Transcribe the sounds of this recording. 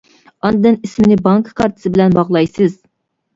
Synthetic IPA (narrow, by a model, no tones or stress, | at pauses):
ɑnd̪ɨd̪ɨnismɪnɪbɑŋkkʰɑɾt̪ʰɨ̥sɨbɪlɛnbɑʁlˠɑjsɨz̥